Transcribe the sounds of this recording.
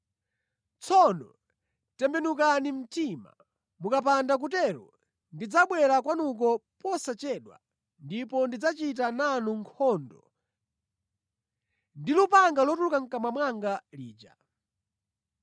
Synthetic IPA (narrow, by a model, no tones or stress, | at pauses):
t͡sʰɔnɔ | tɛmbɛnuk̬anim̩tima̰ | mukap̬andak̬utɛɾɔ̰ | ndid͡zaɓwɛɾakwanuk̬ɔpɔsat͡ʃɛɗwa̰ | ndipɔndid͡zat͡ʃit̬ananuŋkʰɔndɔ | ndilupaŋɡalɔtulukaŋ̩kamamwaŋɡaliːd͡ʒa̰